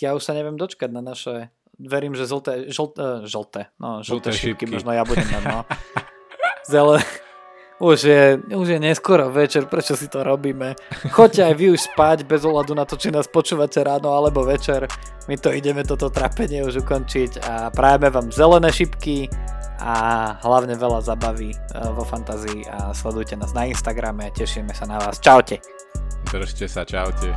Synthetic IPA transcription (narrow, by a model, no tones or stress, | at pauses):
jauʃsaɲɛʋɪɛmd̪ɔt͡ʃkaɟ̚nanaʃɛ | ʋɛɾiːmʒɛzl̩t̪ɛʒlʒl̩t̪ɛːnɔʒl̩ˠt̪ɛʃip̚kimɔʒnɔjabuɟɛmanɔ | zɛlɛnɛ | uʒjɛuʒjɛɲɛskʊɔɾɔʋɛt͡ʃɛɾpɾɛt͡ʃɔsit̪ɔɾɔbiːmɛxɔcːɛajʋiuʃspaɟbɛzɔɦlad̪unat̪ɔt͡ʃinaːspɔt͡ʃuːʋacɛɾaːnɔalɛbɔʋɛt͡ʃɛɾ | mit̪ɔiɟɛmɛt̪ɔt̪ɔt̪ɾaːpɛɲɪɛuʒukɔnt͡ʃicapɾajɛmɛʋaːmzɛlɛnɛːʃipkiaɦlaʊɲɛʋɛʎazaːbaʋiʋɔfant̪aziːa̰slɛd̪ujcɛnaːznainst̪aɡɾamɛcɛʃimɛsanaʋaːst͡ʃaʊcɛ | d̪r̩ʃcɛsat͡ʃaʊcɛ